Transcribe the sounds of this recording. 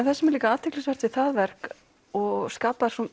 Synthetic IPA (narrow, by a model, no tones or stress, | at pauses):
nθɛsːɪmɛɾlikaaːt̪ʰɪklɛsvaɾt̪vɪθaðvɛr̥k | ɔɣskaːpaɾsɔ